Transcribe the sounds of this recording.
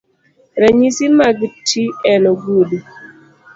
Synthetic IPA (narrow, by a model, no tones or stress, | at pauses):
ɾaɲisimaɡtʰiɛnoɡudu